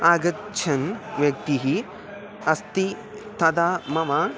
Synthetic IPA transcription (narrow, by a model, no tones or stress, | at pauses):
aːɡɐtt͡ʃʰɐnʋjɐk̚t̪iɦi | ɐst̪i | t̪ʰɐd̪aːmɐma